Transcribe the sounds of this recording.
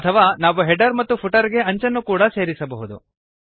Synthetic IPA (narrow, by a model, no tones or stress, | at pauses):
ɐt̪ʰɐʋaːnaːʋuɦɛɖɐɾmɐt̪ːupʰuʈɐɾɡe̞ɐɲt͡ʃɐnːukuːɽɐse̞ːɾisɐbɐɦud̪ṵ